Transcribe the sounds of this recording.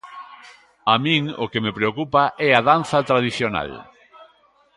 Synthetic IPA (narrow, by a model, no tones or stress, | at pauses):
amĩŋo̰kemepɾeokupaʔɛaðanθɐt̪ɾaðiθjona̰l